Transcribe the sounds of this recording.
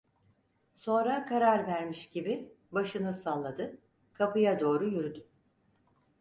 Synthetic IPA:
so̞nɾakʰaɾaɾvæɾmiʃɟibi | baʃɯnɯsalˠːad̪ɯ | kʰapʰɯjad̪o̞ːɾujyɾyd̪y

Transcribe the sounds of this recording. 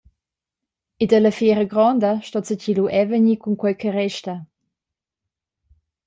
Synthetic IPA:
edələfjɛɾəɡɾɔnd̪əʃtɔt͡səciluʔɛvəɲikuŋkwɛjkʰəɾɛʃtə

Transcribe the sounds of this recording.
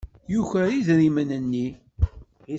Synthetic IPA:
juçæiðɾimənənːi

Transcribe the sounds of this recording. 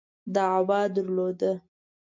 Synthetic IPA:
d̪əawɑd̪əɾlod̪ə

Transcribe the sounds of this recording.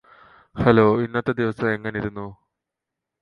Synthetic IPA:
hɐloːinːɐt̪ːɐd̪iʋɐsɐeŋːɐneiɾunːu

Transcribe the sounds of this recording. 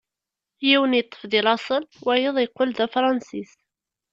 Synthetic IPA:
jiwənjət̪ˤːə̥fðilɑsˤəlwæjəðˤjqːʊlðæfɾˤɑnsis

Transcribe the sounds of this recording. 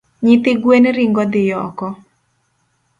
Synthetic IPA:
ɲit̪ɪɡwenɾiŋɡɔd̪ɪjɔkɔ

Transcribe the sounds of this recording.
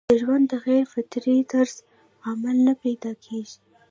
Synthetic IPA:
d̪̥əʒwand̪əxaɾfɪt̪ɾid̪aɾz̥ | amalnəpajd̪ɑkʰeʒi

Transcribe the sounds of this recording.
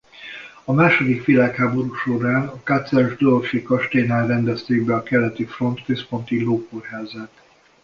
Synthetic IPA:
ɒmaːʃo̞d̪ikʋilaːkhaːbo̞ɾuːʃo̞ɾaːnɒkat̪sɛʒd̪ølfekɒʃt̪eːnaːlrɛnd̪ɛst̪eːɡbɛɒkɛlɛt̪ifro̞nt̪køspo̞nt̪iloːkorɦaːzɛt̪

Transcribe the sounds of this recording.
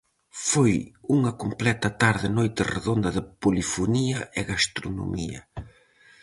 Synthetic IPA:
fojuŋɐkomplɛt̪ɐt̪aɾðɪnojt̪ɪrḛðond̪ɐðɪpolifoniɐʔɪɣast̪ɾono̰mʔḭɐ

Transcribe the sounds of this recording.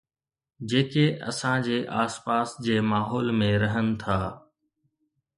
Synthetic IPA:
d͡ʑeːkeʔɐ̰sãd͡ʑeːʔaːspaːsd͡ʑeːmaːɦɔːlmẽɾɐɦənɪ̆t̪ʰaː

